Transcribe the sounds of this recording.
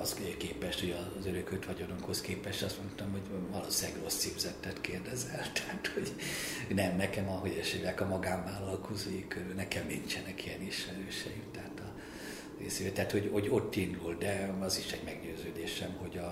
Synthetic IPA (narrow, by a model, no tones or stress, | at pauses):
ɒzːkeːpɛʃt̪hoɟɒzøɾøkøt̪ʋɒɟonokho̞skeːpɛʃt̪ɒst̪mo̞nt̪ɒmho̞ɟʋɒlo̰ːsɛɡro̞sːiːvzɛt̪ːɛt̪keːrd̪ɛzɛlt̪ɛhat̪ho̞ɟ | nɛmnɛkɛmɒɦo̞ɟɛʃeːlɛkɒmɒɡaːɱvaːlɒlkʰo̞ziikønɛkɛmːint͡ʃɛnɛkijɛniʃmɛɾøːʃɛjimt̪ɛɦaːt̪ɒ | ḛːsiʋet̪ɛaːt̪ho̞ɟho̞ɟo̞t̪ːind̪uld̪ɛɒziʃɛɟmɛɡɟøːzøːd̪eːʃɛmho̞ɟɒ